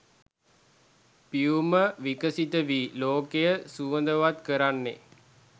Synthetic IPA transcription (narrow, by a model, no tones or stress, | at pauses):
piuməʋikəsit̪əʋiloːkejəsuʋənd̪əʋat̪kəɾanːḛ